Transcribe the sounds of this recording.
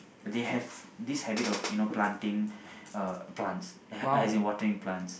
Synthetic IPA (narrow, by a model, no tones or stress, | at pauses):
d̪ehɛvd̪ishɛbitɔfjunoplãntĩŋ | plãnts | ɛajzĩŋwɔtəɹĩŋplãnts